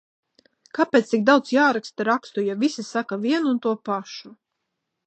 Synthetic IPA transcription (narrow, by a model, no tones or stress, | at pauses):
kapʲeːt̪sik̚d̪awt̪sjaːɾakst̪aɾakst̪ujavisisakavʲiɛnuːnt̪uɔpaʃu